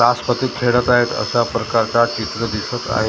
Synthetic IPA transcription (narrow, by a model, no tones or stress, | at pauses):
aspət̪it̪t̪ʰeɽət̪aɦet̪ə̰sapɾəkaɾt͡sat͡ɕit̪ɾəd̪isət̪a̰ɦe